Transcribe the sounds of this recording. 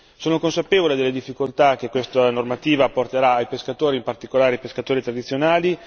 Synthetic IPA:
soːnokonsapeːvoled̪elːed̪ifːikolt̪ak̟ekwest̪anormat̪iːvaport̪eɾaːjpeskat̪oːɾiːmpart̪ikolaːɾipeskat̪oːɾit̪ɾad̪it̪sjonaːli

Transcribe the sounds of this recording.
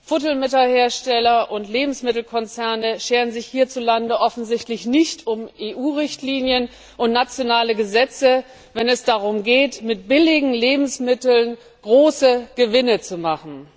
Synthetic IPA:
fʊtl̩mɪtɐheːɐʃtɛlɐʔʊntleːbm̩smɪtl̩kʰɔnt͡sɛɐnəʃeːʁənzɪçhiːɐt͡sulandəʔɔfn̩zɪçtlɪçnɪçtʰʊmʔeːʔuːʁɪçtʰliːnjən | ʔʊntnat͡sjonaːləɡəzɛt͡sə | vɛnɛsd̥aʁ̞ʊmɡeːtmɪt̚b̥ɪlɪɡŋ̩leːbm̩smɪtl̩n | ɡ̥ʁoːsəɡ̥əvɪnət͡sumaχn̩

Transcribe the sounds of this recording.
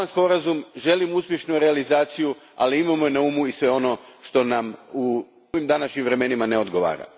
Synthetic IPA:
anspo̞ɾazumʒe̞limuspje̞ʃnuɾealizaːt̪siju | a̰liimamojenauːmuisʋe̞o̞no̞ʃt̪o̞namu | oʋimd̪anaʃɲimʋɾe̞me̞nimaneo̞d̪ɡo̞ʋa̰ːɾa̰

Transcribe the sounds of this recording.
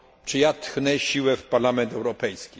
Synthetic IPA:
t͡ʂɘjat̪xnɛɕiwɛfpaɾlamɛnt̪ɛwɾɔpɛjskʲi

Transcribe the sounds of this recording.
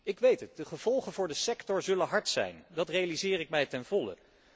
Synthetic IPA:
ɪkʋejtət̚dəχəv̥ɔlˠχənvʊːɹdəsɛktɔɹzɵlənɦɑɹtsɛ̰jndɑtrejalizɪːrɪk̚mɛjtɛnvɔlə̰

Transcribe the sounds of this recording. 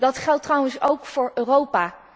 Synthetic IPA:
dɑtχɛlˠtːrʌwənsowkfʊːɹøːrowpaː

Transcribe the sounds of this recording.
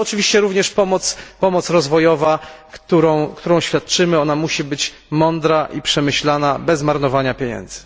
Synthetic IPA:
ɔt͡ʂɘvʲiɕt͡ɕɛɾuvɲɛʂpɔmɔt̪spɔmɔt̪sɾɔzvɔjɔvakt̪uɾɔ̃w̃kt̪uɾɔ̃w̃ɕfʲjat̪̚t͡ʂɘmɘɔnamuɕibɘt͡ɕ | mɔnd̪ɾaʔipʂɛmɘɕlanabɛzmaɾnɔvaɲapʲjeɲɛ̰nd̪z̥ɘ̥

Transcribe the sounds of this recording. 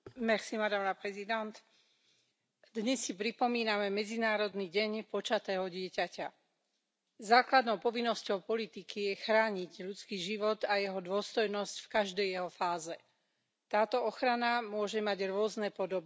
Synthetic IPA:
mɛxsimad̪aːmnapɾɛzid̪ɛnt̪ | d̪ɲɛsːipɾipɔmiːnamɛmɛd͡zinaːɾɔd̪niɟɛɲpɔt͡ʃat̪ɛːɦɔɟɪɛcaca | zaːklad̪nɔʊpɔʋinːɔscɔʊpɔlit̪ikijɛxɾaːɲiɟʎut͡skiːʒiʋɔt̪ajɛɦɔd̪ʊɔst̪ɔjnɔscfkaʒd̪ɛjjɛɦɔfaːzɛ | t̪aːt̪ɔɔxɾanamʊɔʒɛmaɟɾʊɔznɛːpɔd̪ɔb

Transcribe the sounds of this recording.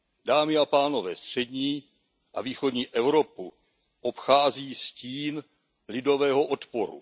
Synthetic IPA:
daːmɪapaːno̞vɛ̰ːst̪r̝̥ɛdɲiː | ʔa̰viːxo̞dɲiːʔɛvɾo̞pu | ʔopxaːziːsciːn | lɪdo̞vɛːɦoʔot̪poɾṵ

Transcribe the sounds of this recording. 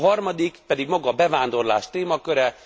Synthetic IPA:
ɦɒrmɒd̪ikpɛd̪iɡmɒɡɒbɛvaːnd̪o̞rla̰ːʃt̪eːmɒkøɾɛ

